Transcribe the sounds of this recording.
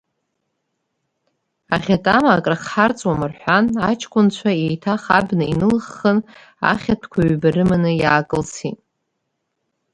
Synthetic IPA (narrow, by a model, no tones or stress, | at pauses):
aχʲatʼamaːkʼraχħart͡sʼwamɨrħʷanat͡ʃʰkʷʰʼʊnt͡ɕʷʰaejtʰaχa̰bnɨinɨlχːən | a̰χʲatʰkʷʰaɥbarɨmanɨjaːkʼɨlsʰitʼ